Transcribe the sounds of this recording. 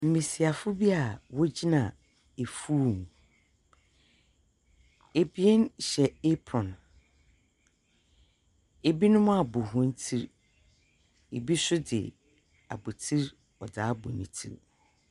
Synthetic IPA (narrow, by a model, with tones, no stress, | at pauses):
m̩˨mĩ˨si˨a˨fʊ˦bi˦a˨wɔ˦d͡ʑi˦nã˨ | e˨fuː˦˨m˨ | e˨bi˦e˦nɕɛ˨e˦pʰɾɔ̃˨n | e˨bi˦nʊ̃˦mʊ̃˦a˨bʊ˨ɦʊ̃˦n̩˦tʰi˦ɾ | e˨bi˦sʊ˦dɪ̰˨ | a̰˨bo˨tʰi˦ɾ | ɔ˨daː˨˦bʊ˨nĩ˨tʰḭ˦ɾ